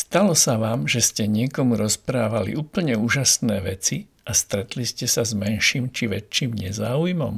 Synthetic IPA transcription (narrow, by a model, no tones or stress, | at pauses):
st̪alɔsaʋaːmʒɛscɛɲɪɛkɔmuɾɔspɾaːʋalḭuːpl̩ɲɛuːʒasnɛːʋɛt͡si | ast̪ɾɛt̪liscɛsazmɛnʃiːmt͡ʃiʋɛt͡ʃːiːmɲɛzaːujmɔ̰m